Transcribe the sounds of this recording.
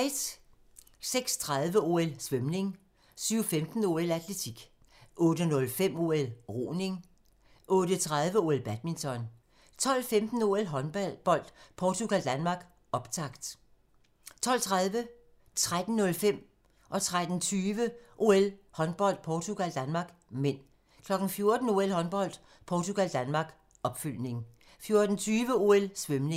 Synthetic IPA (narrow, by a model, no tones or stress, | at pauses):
d̥ | seɡ̥st͡sʰʁað̞ˠʋəo̝ːelsʋemne̝ŋ | syːʊfemd̥n̩o̝ːelæd̥let͡sʰiɡ̥ | ʔɔ̽ːd̥ənɔ̽lfem̰o̝ːelʁo̰ːne̝ŋ | ʔɔ̽ːɾət͡sʰʁað̞ˠʋəo̝ːelb̥æd̥̚mint͡sʰɒ̽n | t͡sʰɒ̽l̰femd̥n̩o̝ːelɦɒb̥ɒ̽l̰d̥pʰɒt͡sʰuɡ̥æld̥ænmɑ̈ːɡ̥ | ʔɒ̽b̥t͡sʰɑ̈ɡ̥d̥ | t͡sʰɒ̽l̰t͡sʰʁað̞ˠʋə | t͡sʰʁad̥n̩nɔ̽lfem̰ | ʔɒ̽t͡sʰʁad̥n̩t͡sʰyːʋəʔo̝elhɒ̽nb̥ɒ̽l̰d̥̚pʰɒːt͡sʰuɡ̥æld̥ænmɑ̈ːɡ̥men̰ | kʰlɒ̽ɡ̥n̩fjo̝ɐd̥n̩o̝elhɒ̽nb̥ɒ̽l̰d̥ | pʰɒːt͡sʰuɡ̥æld̥ænmɑ̈ːɡ̥ | ɒ̽b̥fyl̰ne̝ŋ | fjo̝ɐd̥n̩t͡sʰyːʋəo̝elsʋemneŋ